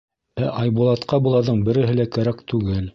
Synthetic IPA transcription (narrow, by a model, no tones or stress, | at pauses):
æʔɑjbulˠɑt̪qɑbulˠɑðɤɴbɘ̆ɾɘ̆ɦɘ̆lækæɾækt̪ʉɡɘl